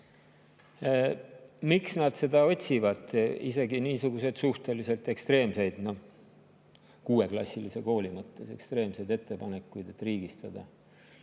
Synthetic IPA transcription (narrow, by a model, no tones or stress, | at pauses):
miksnɑd̪̥se̞d̪ɑo̞t̪ʲsivɑd̪ḭse̞ɡiniːsuɡ̥use̞d̪̥suht̪e̞lise̞lt̪e̞kst̪re̞ːmse̞jd̪̥no̞ | kuːe̞klɑ̰sʲːilise̞ko̞ːlimɤt̪ːe̞se̞̰kst̪re̞ːmse̞jd̪e̞t̪ːe̞pɑne̞kːˑujd̪̥e̞t̪ːˑriːɡ̥ist̪ɑd̪̥ɑ